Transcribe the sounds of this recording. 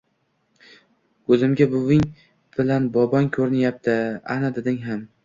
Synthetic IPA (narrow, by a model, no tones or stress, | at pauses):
ɵzɪmɡʲabʊvɪŋ | b̥ɪlanbɒbɒŋkʲʰɵɾɪnjap̚t̪ʰɪa̰nad̪ɪd̪ɪŋɦam